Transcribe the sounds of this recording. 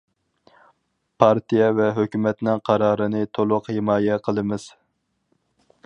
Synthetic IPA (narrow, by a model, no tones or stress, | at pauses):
pʰɑɾt̪ijɛvɛɦøkʲymɛt̪nɪŋqʰɑɾɑːɾɨnɨt̪ʰolˠʊqhɪmɑːjɛqʰəlˠɨmɪz̥